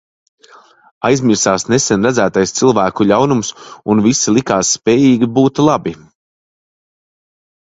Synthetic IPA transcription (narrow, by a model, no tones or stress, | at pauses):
ajzmʲiɾsaːsnesɛnɾad̪zæːt̪ajst̪silˠvæːkuʎʲawnumsunvisilˠikaːsːpɛːjiːɡʲibuːt̪lˠabi